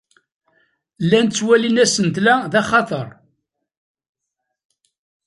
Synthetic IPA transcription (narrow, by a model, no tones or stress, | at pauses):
lːænt͡sːwælinæsənt̪læðæχɑt̪ˤəɾˤ